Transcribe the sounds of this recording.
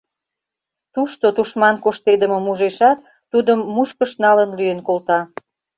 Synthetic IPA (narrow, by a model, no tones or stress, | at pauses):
t̪uʃt̪ot̪uʃmɑnkoʃt̪ed̪əmomuʒeʃɑt̪ːud̪əmːuʃkəʃnɑlənlyjenkolt̪ɑ